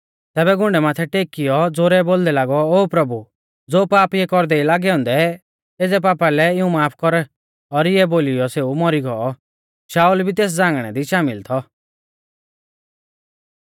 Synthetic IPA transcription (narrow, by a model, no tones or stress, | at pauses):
t̪ɛːbɛɡʊ̃ɳɖɛmaːt̪ʰɛʈeːkɪjɔd͡zoɾɛboːld̪ɛlaːɡɔoːpɾɐbu | d͡zoːpaːpjɛkɔɾd̪ɛilaːɡɛɔ̃ːnd̪ɛ | eːd͡zɛpaːpalɛɪũmaːpʰkɔɾɛ | ɔɾɪjɛboːlɪjɔseːumɔɾiɡɔɔ | ʃaːulbʱit̪eːs̬d͡zãːŋɡɽ̃ɛ̰d̪iʃaːmɪlt̪ʰɔ